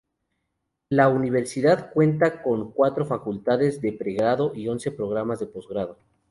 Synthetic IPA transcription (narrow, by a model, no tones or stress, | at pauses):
launiβe̞ɾsiðaðkwe̞nt̪ako̞ŋkwat̪ɾo̞fakult̪aðe̞zðe̞pɾe̞ɣɾaðo̞ʔio̞nse̞pɾo̞ɣ̞ɾamazðe̞po̞zɣɾaðo̞